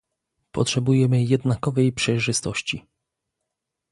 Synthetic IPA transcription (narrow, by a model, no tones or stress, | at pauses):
pɔ̰tʂɛbujɛmɘjɛd̪nakɔvɛjpʂɛjʐɘst̪ɔɕt͡ɕi